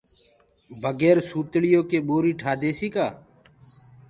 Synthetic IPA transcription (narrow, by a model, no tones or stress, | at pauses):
bʱəɡeːɾsuːt̪ɭɪjõːkeːɓoːɾiːʈʰaːd̪eːsiːkaː